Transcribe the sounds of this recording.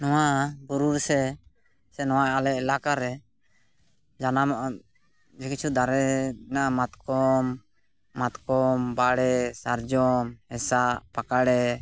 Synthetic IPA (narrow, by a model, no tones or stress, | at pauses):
nɔwabuɾuɾsɛ | sɛnɔwaʔalɛʔɛlakaɾɛ | d͡ʒanam | d͡ʒɛkit͡ʃʰud̪aɾɛnamat̪kɔmː | at̪kɔmbaɽɛsaɾd͡ʒɔmɛsaʔpakaɽɛ